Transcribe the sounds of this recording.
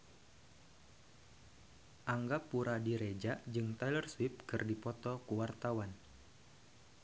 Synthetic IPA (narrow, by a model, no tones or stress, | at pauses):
ʔaŋɡapuɾadiɾed͡ʒad͡ʒɨŋt̪ajlərswɪp̚kɨrdipɔt̪ɔkuwart̪awan